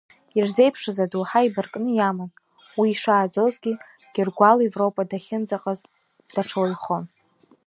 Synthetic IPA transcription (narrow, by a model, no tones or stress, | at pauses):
irze̞jpʰʂɨzaduħaibɨrkʼnɨjamɨn | wiːʂaːd͡zo̞zɡʲi | ɡ̥ʲɪrɡʷalevropʼadaχʲɪnd͡zaqʼaz | d̥aʈ͡ʂʰawjχon